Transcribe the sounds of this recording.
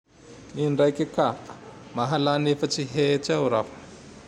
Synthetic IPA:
iɳɖ͡ʐajkʲikamaɦalanefət͡siɦet͡sawɾafə̥

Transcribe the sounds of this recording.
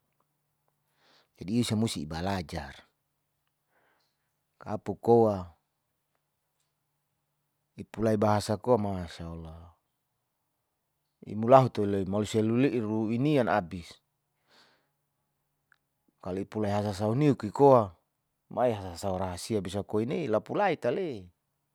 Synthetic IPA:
d͡ʒadiːusamust̪iːbalad͡ʒar | kapukowa | ipulaibaɦasakoamaʃaula | ḭmulaɦut̪oiloimaluseluliʔruiniana̰bis | kaluipulaiɦas̬as̬auniukikoa | maiɦasasauɾaɦasiabisakoineilapulait̪alei

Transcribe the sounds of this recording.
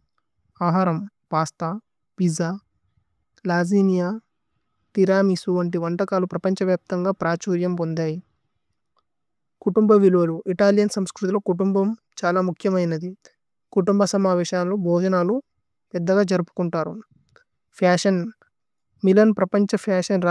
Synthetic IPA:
aːɦaːɾɐm | paːst̪aː | pizaː | laːziːnijaː | ʈiɾaːmisuʋɐɳʈ̬iʋɐɳʈɐkaːlupɾɐpɐɲt͡ʃɐʋjaːp̚t̪ɐŋɡaːpɾaːt͡ʃuːɾjɐmpond̪aːji | kuʈumbɐʋiluʋɐluʔiʈaːljɐnsɐmskɾut̪iloːkuʈumbɐm | t͡ʃaːlaːmukʰjɐmɐjnɐd̪i | kuʈumbɐsɐmaːʋɛːʃaːnlobʱɔːd͡ʒɐnaːlu | pɛd̪ːɐɡaːd͡ʒɐɾupu̥kuɳʈaːɾṵ | pʰaːʂɐn | milɐnpɾɐpɐɲt͡ʃɐpʰaːʂɐnɾ

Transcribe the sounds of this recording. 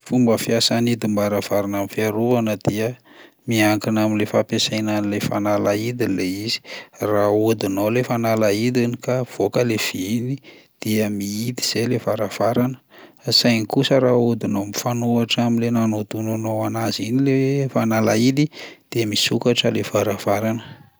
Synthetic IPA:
fumbəfiasanid̪imbaɾav̥aɾanamifiaɾuvanəd̪̥iə | miaŋkinamilefapesajnanilefanalaid̪ileiz̥i̥raud̪inowlefanalaid̪inikav̥okəlev̥iinid̪̥iəmiid̪i̥z̥ejlevaɾav̥aɾanə̥sajnikusəɾaud̪inowmifanuaʈ͡ʂaminlenanot̪unanowanazinilefanalaid̪id̪̥eəmisukaʈ͡ʂəlevaɾavaɾanə

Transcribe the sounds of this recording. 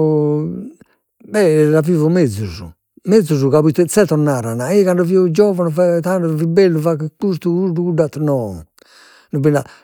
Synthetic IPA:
bɛlavivumɛd̪zuzṵ | mɛd̪zuzukaβit̪ɛt̪sɛt̪ɔnːaɾanaikaɳɖɔviɔd͡ʒɔvanufat̪aɳɖɔvibɛlːufakkust̪ukuɾdukuɖat̪ːnɔ | nubina

